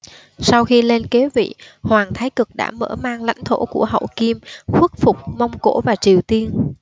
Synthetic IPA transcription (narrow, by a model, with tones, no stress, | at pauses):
sa˧wxi˧le˧nke˨˦vḭ˧˨hwaː˨˩ŋt̪ʰaː˨˦jkɨ˨˩k̚ɗa̰ː˧˥məː˧˩maː˧ŋla̰˧˥jŋ̟t̪ʰo̰˧˩ku˧˩əɦə̰˧˨wki˧mxwu˦˥t̚fʊ˨˩k͡p̚ma˧wŋ͡mko̰˧˥vaː˨˩t͡ɕi˨˩əwt̪i˧ən